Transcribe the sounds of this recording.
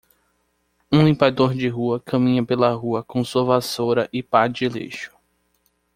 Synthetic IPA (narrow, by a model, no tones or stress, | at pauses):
ũlĩpad̪oɾd͡ʒɪɦuɐkʰɐ̃mĩɲɐpelɐɦuɐkõsuɐvasoɾɐʔɪpad͡ʒɪlḛʃʊ̥